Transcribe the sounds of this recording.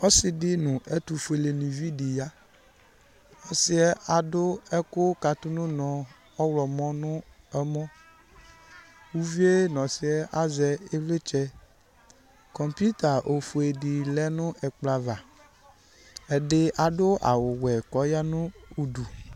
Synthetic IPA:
ɔ˦sɪ˨dɪ˦nʊ̃˨ʔɛ˦t̪u˨fu˨e˨le˨nĩ˨vi˦di˨ja˦ | ɔ˦sɪ˦ɛ˦a˨dʊ˦ɛ˦kʊ˦ka˨t̪ʊ˦nʊ̃˦nɔ̃˨ | ɔ˦wlɔ˨mɔ̃˦nʊ̃˦ | ɛ˦mɔ̃˦ | wu˦vi˦e˦nɔ̃˨sɪ˦ɛ˦ʔa˦zɛ˨e˦vle˦t͡ʃɛ˦ | kɔ˨mpu˦t̪a˨ʔo˨fu˨e˨di˨lɛ˦nʊ̃˦ʔɛ˨k͡pla˨va˨ | ɛ˨ɖɪ˦ʔa˨ɖʊ˦a̰˨wʊ˨wɛ˨kɔ˨˦ja˦nʊ̃˦u˨du˨

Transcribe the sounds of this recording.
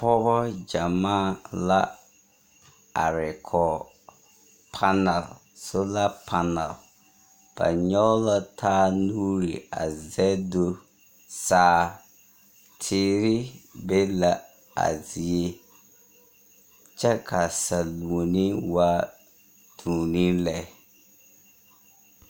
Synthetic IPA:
pɔ˦βɔ˦d͡ʒa˨ma˦˨la˦ | a̰˨ɾɪ˨kʰɔ˨ | pʰa˦na˨l | so˦la˦pʰa˨na̰˨l | b̥a̰˨ɲɔ˦la˦tʰaː˦nuː˦ɾi˨a̰˨zɛ˦do˦ | saː˦ | tʰɪː˦ɾɪ˦be˦la˦ | a̰˨zɪ˨e˦ | t͡ʃɛ˦kʰa˨sa˨lu˨o˨ni˦wa˦ | tʰũː˨ni˦lɛ˦

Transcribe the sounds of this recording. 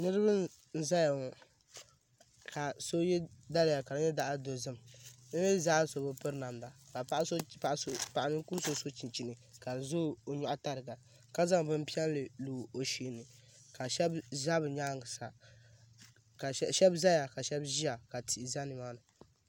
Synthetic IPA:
nɨ˦ɾɨ˦bɨ˦n | n̩˦za˦ja˨ŋɔ˨ | ka˨so˦jɛ˦da˦lɪ˨ja˨ka˨nɨ˦ɲɛ˦da˦˨ʔa˦do˨zɨ˦m˨nɨ˦ɛ˦za˦so˨bo˦pɨ˦ɾna˨mda˨ka˨a˦ʔso˦pa˨ʔo˦pa˨ʔa˨nɨ˦ku˦m˦so˦so˦t͡ʃi˨nt͡ʃi˨nɨ˨ka˨n˨zo˦˨o˨ɲɔ˨ʔa˦ta˨ɾɨ˨ɡa˨ | ka˦za˦ŋ˨bɨ˦m˦pi˦ɛ˦n˦lɨ˨luː˨o˨ʃi˨nɨ˨ | ka˨ʃɛ˦bza˦bɨ˨ɲa˦ŋɡsa˨ | ka˨˦ʃɛ˦bza˦ja˨ka˨ʃɛ˦bʒi˦a˨ka˨ti˨ʔi˨za˦nɨ˨maː˦nɨ˨

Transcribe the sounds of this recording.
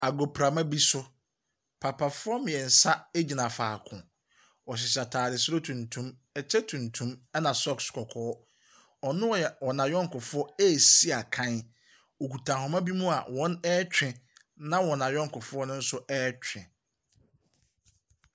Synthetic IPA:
a˨ɡo˨pʰɾa˨mã˦bi˦sʊ˦ | pʰa˨pʰa˨fʊ˦ɔ˦mɪ̃˨ɛ˨n̩˨sa˦e˦d͡ʑi˨nã˨faː˨kʰʊ̰̃˨ | ɔ˨ɕ̬ɪ˨sa˨tʰaː˨dɪ˨sɾo˦tʰũ˨ntʰũ˦m | ɛ˨t͡ɕʰɛ˦tʰũ˨ntʰũ˦mɛ˦nã˨sɔ˦kskʰɔ˨kʰɔː˦ | ɔ˨nʊ̃˦˨wɔ˨nã˨jɔ̃˦ŋ̩˨kʊ˨fʊ˦ɔ˦ɛ˦˨si˦a˨kʰã˦n | o˨ku˨tʰã˨hɔ̃˨mã˦bi˦mũ˦a̰˨wɔ̃˦nɛ˦t͡ɕᶣɪ̃˨ | nã˦wɔ̃˨nã˨jɔ̃˦ŋ̩˨kʊ˨fʊ˦ɔ˦nʊ̃˦n̩˦sʊ˦ʔɛː˦t͡ɕᶣɪ̰̃˨

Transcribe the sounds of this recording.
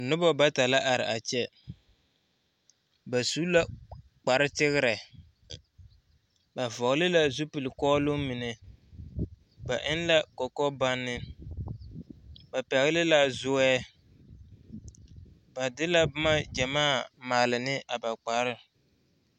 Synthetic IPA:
nʊ˦bɔ˦ba˦ta˨la˦ʔa˨ɾɪ̰˨ʔa˨t͡ʃɛ˦ | ba˨su˦la˦ | k͡pa˨ɾɪ˦tɪ˦ɣɪ˦ɾɛ˨ | ba˨vɔ˨ɣlɪ˦la˦zu˦pɨ˨lɪ˨kɔː˦lʊ˦mi˨nɛ˨ | ba˨ʔɪ˦nla˦kɔ˨kɔ˦ba˦nːɪ˦ | ba˨pɛ˨ɣɪ˦lɪ˦la˨zʊ˦ɛː˦ | ba˨dɪ˦la˦bʊ˦ma˦d͡ʒɛ˨maː˦˨maː˨lɪ˨nɪ˦ʔa˨ba˨k͡pa˨˦ɾɪ˦

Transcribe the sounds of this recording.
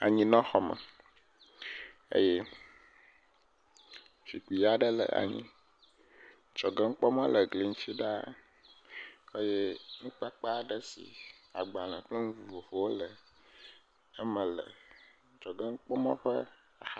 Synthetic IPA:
a̰˨ɲĩ˦nɔ̃˦xɔ˨mə̰˨ | ḛ˦je˦ | fi˨k͡pi˨ja˨ɖə˦lə̰˨ʔa̰˨ɲḭ̃˦ | t͡ʃɔ˨ɡɛ˦ŋ̩˦k͡pɔ˦mã˦lə˨ɡli˨ŋ̩˦t͡ʃi˦ɖa˦ | e˦je˦nũ˦k͡pa˦k͡pa˦˨ɖə˦sḭ˨a̰˨ɡ͡ba˨nã˨k͡plə˦ŋũ˦vu˨vo˨vo˨wo˦lə˨ | ə˦mə̃˨lə̰˨ | t͡ʃɔ˨ɡɛ˦ŋ̩˦k͡pɔ˦mɔ̰̃˦ɸə˦ | a˨x

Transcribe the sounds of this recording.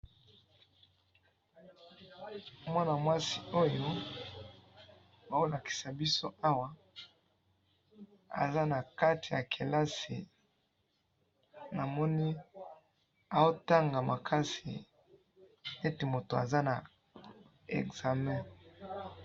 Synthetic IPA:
mwa˦na˨mwa˦si˦o˦jo˦ | ba˨o˦la˨ki̥˨sa˨bi˦so˦a˦wa˨ | a̰˨za˦na˨ka˦ti˨ja̰˨kʰe˨la˦sḭ˨ | na˨mɔ˦ni˦ | a˨o˦ta˦ŋɡa˨ma˨kʰa˦sḭ˨ | e˦te˨mo˨to˨a̰˨za˦na˨ | ḛ˨kz̥a˨mɛ̃˦

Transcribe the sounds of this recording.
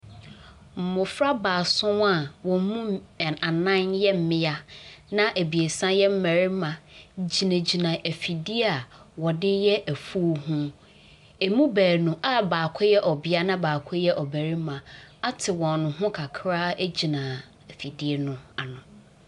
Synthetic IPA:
m̩˨mʊ̃˨fɾa˦baː˨sʊ̃˦wa˦˨wɔ̃˨m̩˦mũ˦˨a˨nã˦njɛ˦m̩˦mɪ̃˦a˦nã˦ʔæ˨bi˨e˨sã˦jɛ˦m̩˦mæ˨ɾɪ˦mã˨d͡ʑi˨nã˨d͡ʑi˨nã˨ʔæ˨fi˨di˦a˨wɔ˨dɪ˦jɛ˦ʔæ˨fuː˦ɦũ˦ | e˨mũ˦bæː˨ɾnũ˨ʔa˦baː˨kʷʰʊ˦jɛ˦ʔɔ˨bɪ˦a˦nã˦baː˨kʰʊ˦jɛ˦ʔɔ˨bæ˨ɾi˦mã˨a˦tʰɪ˨wɔ̃˨nʊ̃˨ɦʊ̃˦kʰa˨kʰɾaː˦e˦d͡ʑi˨nã˨ | æ˨fi˨di˦e˦nʊ̃˨a˨nʊ̃˨

